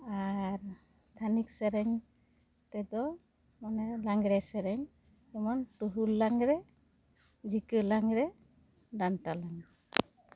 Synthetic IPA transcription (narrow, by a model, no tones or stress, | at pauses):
aɾ | t̪ʰaniksɛɾɛŋ | tɛdɔ | manɛlaŋɡɾɛsɛɾɛŋ | ɔmɔntuɦulːaŋɾɛ | d͡ʒikɯlaŋɾɛ | dantalaŋ